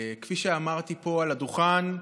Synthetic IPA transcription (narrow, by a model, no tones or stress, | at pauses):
kfiʃeamaʁt̪ipo̞alad̪uχan